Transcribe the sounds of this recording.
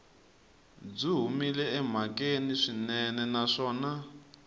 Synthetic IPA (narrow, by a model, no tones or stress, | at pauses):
b͡ʐiɦumilɛɛm̤akeniʂinɛnɛnaʂɔːna